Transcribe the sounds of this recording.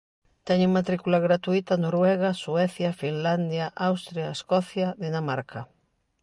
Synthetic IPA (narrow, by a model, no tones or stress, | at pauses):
t̪ɛɲeŋmat̪ɾikulaɣɾat̪uit̪anoɾwɛɣaswɛθjafinland̪jaʔawst̪ɾjaeskɔθjaðenamaɾkʰa